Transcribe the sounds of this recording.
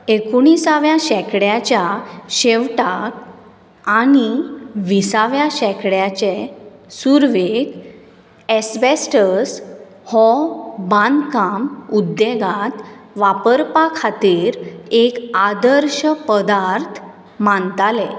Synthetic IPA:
ekoɳ̃isaʋjaɕɛkɽjat͡ɕjaɕeʋʈak | aɽ̃iʋisaʋjaɕɛkɽjat͡ɕesuɾʋek | esbesʈəs | hɔbãnd̪kamud̪ːeɡat̪ʋapəɾpakʰat̪iːɾekad̪əɾɕəpəd̪aɾt̪ʰ | mant̪ale

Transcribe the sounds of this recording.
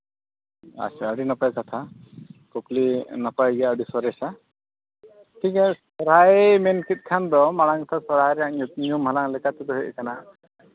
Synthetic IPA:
a̰saəɖinapajkat̪ʰa | kɔplinapajɡɛjaəɖisɔɾɛsa | tʰikɛsɔɾajmɛnkit̪̚ˀkʰand̪ɔmaɽaŋsʰasɔɾaɾɛaʔɲumɦalaŋlɛkat̪ɛd̪ɔɦejʔkana

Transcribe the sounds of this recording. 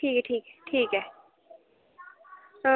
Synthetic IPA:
ʈʰiːkɦɛʈʰiːkɦɛʈʰiːkɦɛː

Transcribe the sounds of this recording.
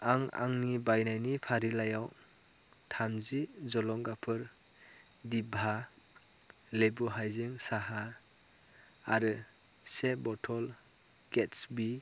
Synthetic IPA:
aŋa̰ŋnibajnajnipʰaɾilajaw | tʰamzizɔlɔŋɡapʰɯɾ | dibʱa | lebuɦajziŋsaɦa | ɾɯ | sebɔtʰɔl | ɡ̥etsbi

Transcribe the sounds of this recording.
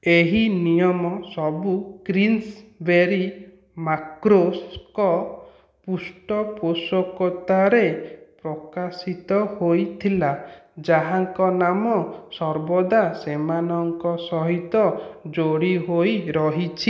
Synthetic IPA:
eɦinijɔmɔsɔbukɾinsbeɾi | makɾoskɔ | pusʈɔposɔkɔt̪aɾepɾɔkasit̪ɔhojt̪ʰilad͡ʒaɦaŋkɔnamɔsɔɾbɔd̪asemanɔŋkɔsɔɦit̪ɔd͡ʒoɽiɦojɾɔɦit͡ʃʰi

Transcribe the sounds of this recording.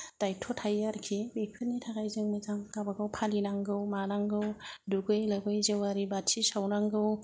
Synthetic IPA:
tajtʰɔtʰajaɾkʰibepʰɯnitʰakajzɯŋmɯzaŋkabaɡawpʰalinaŋɡɯwmanaŋɡɯwduɡɯjlabɯjzewaɾibatʰisawnaŋɡɯw

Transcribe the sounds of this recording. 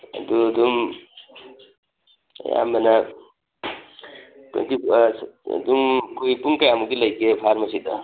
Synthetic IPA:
d̪ud̪um | ja̰mbana | pɾḭnt̪ḭ | d̪umkujpuŋkajamuɡilɐjkepʰaɾmɐsid̪ʌ

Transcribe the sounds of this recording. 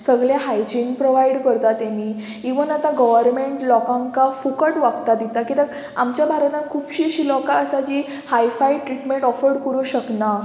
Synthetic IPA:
səɡɭjaɦajd͡ʑiŋɡpɾoʋaiɽkəɾt̪at̪emiː | iʋənat̪aɡɔʋəɾmeɳʈlɔkãŋkafukəʈʋaɡt̪ad̪it̪akit̪ək | a̰mt͡ɕjabʱaɾət̪ãnkʰuːpɕiːəɕiːlɔkaəsad͡ʑiː | hajfajʈɾiʈmẽɳʈɔfəɾɽkəɾuɕəkna

